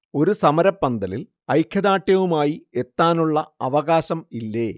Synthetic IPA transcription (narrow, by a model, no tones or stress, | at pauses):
o̞ɾusɐmɐɾɐpːɐnd̪ɐlil | ɐjkʰjɐðaːʈːjɐʋumaːjie̞t̪ːaːnuɭːɐɐʋɐɣaːɕɐmilːeː